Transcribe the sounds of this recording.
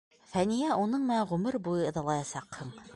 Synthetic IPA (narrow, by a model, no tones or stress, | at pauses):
fænijæunɤɴmɘ̆næɴʁɵmɘɾbujɤɤ̆ðɑlˠɑjɑsɑqhɤɴ